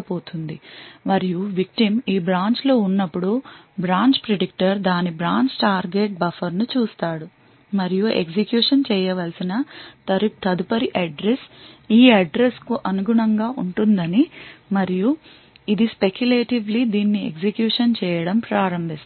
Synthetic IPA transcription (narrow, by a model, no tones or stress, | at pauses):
ɐboːt̪und̪imɐɾijuʋik̚ʈimiːbɾaːɲt͡ʃlo̞ːunːɐpːuɽubɾaːɲt͡ʃpɾeɖik̚ʈɐɾd̪aːnibɾaːɲt͡ʃʈaːɾɡeːʈ̚bɐfɐɾnut͡ʃuːst̪aːɽu | mɐɾijuḛɡd͡ʒekjuːʂɐnt͡ʃɛːjɐʋɐlsinɐ | t̪ɐd̪upɐɾiʔɐɖɾesiːɐɖɾeskuʔɐnuɡuɳɐŋɡaːʔuɳʈund̪ɐnimɐɾiju | id̪ispe̞kjuleːʈiʋlid̪iːnːiḛɡsekjuːʂɐnt͡ʃɛːjɐɽɐmpɾaːɾɐmbʱist̪